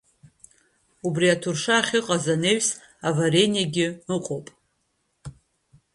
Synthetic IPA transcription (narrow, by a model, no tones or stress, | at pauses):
ubriatʰurʂaːχʲɪqʼazane̞ɥs | avaɾenijaɡʲɪɨqʷʼowpʼ